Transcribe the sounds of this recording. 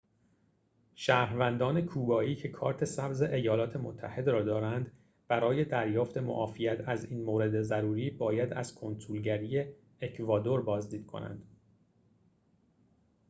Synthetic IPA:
ʃæːɾvænd̪ɒːne̞kʰuːbɒːiːcʰe̞kʰɒːɾt̪ʰe̞sæbze̞ʔejɒːlɒːt̪ʰe̞mo̰t̪ʰːæhe̞d̪ɾɒːd̪ɒːɾænd̪ | b̥æɾɒːje̞d̪æɾjɒːft̪ʰe̞mo̰ʔɒːfijæt̪ʰæziːnmoːɾe̞d̪ezæɾuːɾiːbɒːjæd̪æz̥kʰonsulɟæɾiːje | ecʰvɒːd̪o̞ɾbɒːzd̪iːd̪̥̚kʰo̞̰næ̰nd̪̥

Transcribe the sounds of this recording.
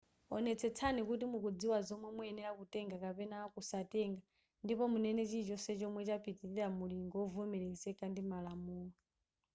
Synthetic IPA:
ɔnɛt͡sʰɛt͡sʰanikutimukud͡ziwazɔmwɛmwɛɛnɛɾakutɛŋɡakapɛnaːkusatɛŋɡa | ndipɔmunɛnɛt͡ʃit͡ʃɔsɛt͡ʃɔmwɛt͡ʃapʰitiɾiɾamuliŋɡɔɔvumɛɾɛzɛkandimalamuːŋa

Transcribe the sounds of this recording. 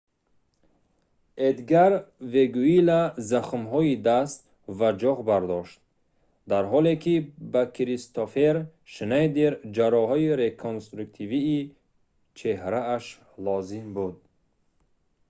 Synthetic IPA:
ed̪ɡaɾveɡuilazaχmɦɔid̪ast̪ | vad͡ʒɔʁbaɾd̪ɔʃt̪̚ | d̪aɾɦɔlekʰibakʰiɾist̪ofeɾ | ʃnajd̪eɾd͡ʒaɾɔhɔiɾekʰonst̪ɾuk̚t̪ʰiviː | t͡ʃʰe̞hɾaːʃ | lɔzimbud̪̚

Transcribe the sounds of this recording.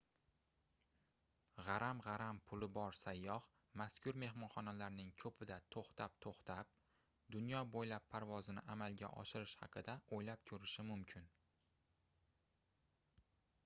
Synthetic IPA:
ʁɑɾamʁɑɾampʰʊlɪbɒɾsajːɒh | maskʲʰʊɾme̞ɦmɒnχɒnalaɾnɪŋkʰɵpʰɪd̪at̪ʰoχt̪ʰap̚t̪ʰoχt̪ʰap̚ | d̪ʊnjɒbojlapːʰaɾvɒzɪnɪ̰ʔamalɡʲa̰ʔɒ̰ʃɪɾɪʃhɑ̰qʰɨd̪aojlap̚kʲʰʊɾɪʃɪmʊmkʲʰɪn

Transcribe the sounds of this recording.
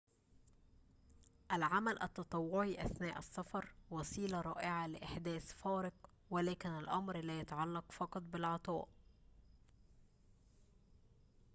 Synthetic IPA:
ʔælʕamælʔæ̰t̪ːɑt̪ˤɑwːʊʕiʔæθnæːʔæsːɑfɑɾˤwɑsˤiːlɑɾˤɑːʔɪʕalɪʔɪħd̪æːθfɑːɾɪq | wælæːkɪnælʔɑmɾlæːjɑt̪ʕɑlːɑqfɑqɑt̪ˤbɪlʕɑt̪ˤɑ̰ːʔ

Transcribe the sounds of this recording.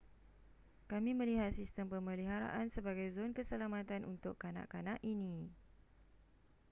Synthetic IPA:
kamĩmə̃liɦat̪̚sist̪əmpəmə̃liɦaɾa̰ʔansəbaɡajzonkəsəlamãt̪anṵnt̪ʊkːanã̰ʔkanãʔinĩ

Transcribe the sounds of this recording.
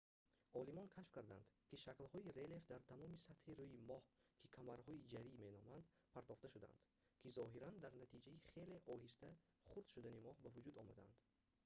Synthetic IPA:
ɔlimɔnkʰaʃfkaɾd̪a̰nd̪kiʃaklhɔiɾe̞lefd̪aɾt̪ʰamɔmisat̪hiɾuimɔhkʰikʰamaɾhɔid͡ʒaɾime̞nɔmand̪ | pʰaɾt̪ɔft̪aʃud̪a̰nd̪̥ | kʲʰizɔɦiɾand̪aɾnat̪ʰid͡ʒaiχe̞le̞ʔɔɦist̪æ | χuɾd̪ʃud̪animɔhbavud͡ʒud̪ɔma̰d̪aa̰nd̪̥

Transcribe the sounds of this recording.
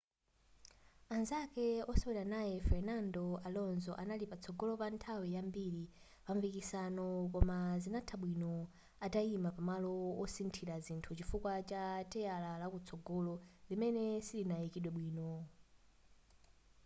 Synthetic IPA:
anzakɛɔsɔwɛɾanajɛfɛɾnandɔalɔnzɔʔanalipat͡sʰɔɡɔlɔpantʰawijambiɾi | paɱvikisanɔkɔmazinatʰaɓwinɔ | ataimapamalɔwɔsintʰiɾazintʰut͡ʃifukwat͡ʃatɛjalalakut͡sʰɔɡɔlɔlimɛnɛsilinajikiɗwɛɓwiːnɔ

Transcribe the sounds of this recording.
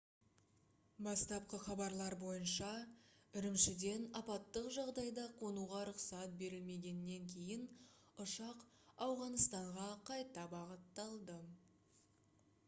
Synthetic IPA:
bɑst̪ɑp̚qəχɑbɑɾlˠɑɾbo̞jənʃɑʏɾɪmʃɪd̪e̞nɑpɑt̪ːəqʒɑʁd̪ɑjd̪ɑqʰo̞nuʁɑɾʊqsɑt̪̚be̞ɾɪlme̞ɡʲe̞nɪːe̞ŋkʲʰe̞jɪn | ʊʃɑq | ɑwʁɑnəst̪ɑɴʁɑqʰɑjt̪ɑbɑʁət̪ːɑlˠd̪ə

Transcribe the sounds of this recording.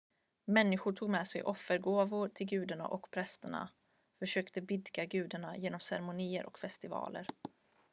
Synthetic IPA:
mɛnːɪɧʊʈʰuːɡmɛsɛ̰jʔɔfːəɾɡoːvʊɾʈʰɪlɡʉ̟ːd̪aɳa̰ʔɔkpʰɾɛst̪əɳa̰ | fœʂøːkt̪əbɪd̪ɡaɡʉ̟ːd̪aɳajeːnɔmsɛ̰ɾɛmʊniːə̰ɾʔɔ̰kfɛst̪ɪvɑ̰ːlə̰ɾ

